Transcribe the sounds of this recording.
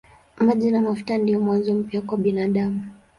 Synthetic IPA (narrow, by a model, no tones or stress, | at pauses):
maʄinamaftandijɔmwanzɔm̩pjakwaɓinaɗamu